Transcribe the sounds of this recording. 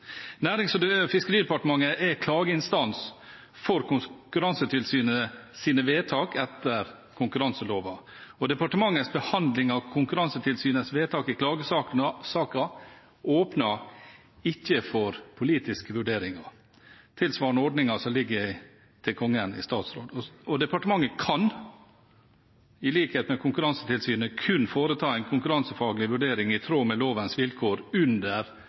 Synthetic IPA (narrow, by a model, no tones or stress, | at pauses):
næːɾɪŋsɔd̪fɪskəɾiːd̪ɛpɑʈəmɑŋːəʔɛkʰlɑːɡəɪnst̪ɑns | fɔɾkʊkʉɾɑnsət̪ʰɪlsyːnəəsiːnəʋeːt̪ʰɑːkɛt̪əɾ | kʰʊŋkʉɾɑnsəloːʋɑ | ɔd̪ɛpɑʈəmɑŋːəsbəhɑnd̪lɪŋɑkʰʊŋkʉɾɑnsət̪ʰɪlsyːnəsʋeːt̪ʰɑːkɪkʰlɑːɡəɑsɑːkɑ | oːpnɑ | ɪçːəfɔɾpʰʊliːt̪ɪskəʋʉɖeːɾɪŋɑ | t̪ʰɪlsʋɑːɳɔɖnɪŋɑsɔmlɪɡːəɪ | t̪ʰɪlkʰɔŋːənɪ̰st̪ɑːt̪sɾoːd̪ɔɔd̪ɛpɑʈəmɑŋːəkʰɑn | ɪliːkheːt̪mɛkʰʊŋkʉɾɑŋsə̥t̪ʰɪlsyːnəkʰʉnːfoːɾət̪ʰɑːɛɪnkʰʊŋkʉɾɑnsəfɑːɡlɪʋʉɖeːɾɪŋɪt̪ʰɾoːmɛloːʋənsʋɪlkʰoːɾʉnd̪əɾ